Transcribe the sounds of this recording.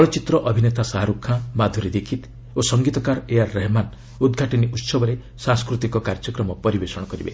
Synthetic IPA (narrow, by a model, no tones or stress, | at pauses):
ɔɭɔt͡ʃit̪ɾɔʔɔbʱinet̪asaɦaɾukʰːamad̪ʱuɾid̪ekʰit̪ | osɔŋɡit̪ɔkaɾejaɾːeɦman | ud̪ɡʱaʈiniut̪sɔbɔɾe | sãŋskɾut̪ikɔkaɾd͡ʒɔkɾɔmɔpɔɾibesɔɽ̃ɔkɔɾibḛ